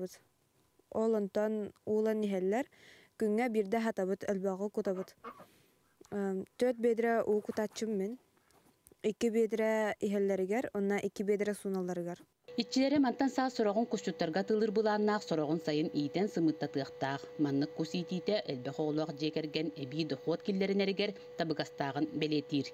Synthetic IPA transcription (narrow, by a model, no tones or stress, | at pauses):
bɯt̪ | ɔlˠɔnt̪ɔnuːlˠaniɦɛlːɛɾ | kyŋːɛbiɾd̪ɛɦat̪aβɯt̪œlbœʁɔkut̪aβɯt̪ | t̪œɾt̪̚beːd̪ɾɛʔuːkut̪at͡ɕːɯmːin | ikibeːd̪ɾɛiɦɛlːɛɾiɡɛɾɔnːaʔikːibeːd̪ɾɛsunalˠːaɾɯɡaɾ | it͡ɕːilɛɾimant̪ansaːsɔɾɔʁuŋkust͡ɕut̪ːaɾɡat̪ɯlˠɯɾbɯlˠaːnːaːχsɔɾɔʁunsajɯniːt̪ɛnsɯmɯt̪ːat̪ɯɐχt̪aːχmanːɯkːusiːt̪iːt̪ɛʔœlbɛχɔlˠɔːqd͡ʑiɛkɛɾɡɛnɛbiːd̪ɔχuɔt̪̚kilːɛɾinɛɾiɡɛɾ | t̪abɯɡast̪aːʁɯnbɛliːt̪iːɾ